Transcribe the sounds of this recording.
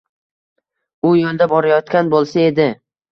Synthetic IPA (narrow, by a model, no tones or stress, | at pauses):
ʊjolˠd̪abɒɾajɒt̪kʲanbolˠsae̞d̪ɪ